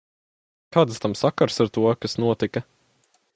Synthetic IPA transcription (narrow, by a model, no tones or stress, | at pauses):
kaːd̪st̪amsakaɾsaɾt̪uɔkasnuɔt̪ikɐ